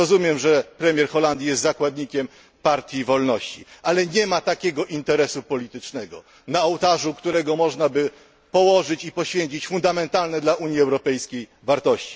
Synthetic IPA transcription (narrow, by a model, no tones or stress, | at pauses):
ɔzumʲjɛmʐɛpɾɛmʲjɛɾxɔland̪ʲjijɛst̪zakwad̪ɲikʲɛm | paɾt̪ʲjivɔlnɔɕt͡ɕḭʔalɛɲɛmat̪akʲɛɡɔʔint̪ɛɾɛsupɔlʲit̪ɘt͡ʂnɛɡɔ̰ | naɔwt̪aʐukt̪uɾɛɡɔmɔʐnabɘ | pɔwɔʐɘt͡ɕipɔɕfʲjeɲt͡ɕit͡ɕfund̪amɛnt̪alnɛd̪laʔuɲjiɛwɾɔpɛjskʲej | vaɾt̪ɔɕt͡ɕi̥